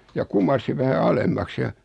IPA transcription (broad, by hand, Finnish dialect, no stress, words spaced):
jɑ kumˑɑrsiʋ ʋæhæ ɑlemːɑks jɑ